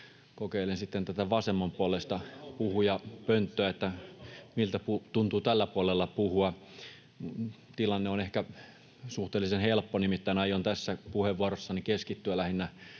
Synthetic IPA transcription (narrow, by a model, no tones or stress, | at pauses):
kokeilensit̪ːent̪æt̪æʋɑsemːɑmpuolest̪ɑpuhujɑpønt̪ːøæet̪ːæmilt̪æput̪unt̪uːt̪ælːæpuɑlelːɑpuhuɑ | t̪ilɑnːeonehkæ | suht̪eːlisenhelpːonimit̪ːæinɑjˑont̪æsːæpuheʋuorosːɑnikeskit̪ːyjælæhinːæ